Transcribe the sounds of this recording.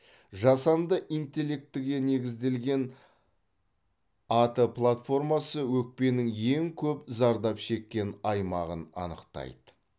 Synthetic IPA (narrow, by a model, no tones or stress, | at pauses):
ʒɑsɑnd̪əʔint̪e̞lːe̞k̚t̪ːɪɡʲe̞ne̞ɡʲɪzd̪e̞lɡʲe̞n | ɑt̪əplˠat̪fo̞rmɑsəwɵk̚pe̞nɪŋje̞ŋkʲʰɵpzɑɾd̪ɑpʃe̞kʲːe̞nɑjmɑʁənɑ̰nə̰qt̪ɑ̰jd̪ə